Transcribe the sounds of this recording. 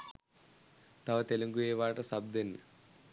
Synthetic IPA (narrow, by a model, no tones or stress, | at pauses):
t̪ɐʋɐt̪elɐŋɡujeːʋaːʈɐsɐb̚d̪enːɐ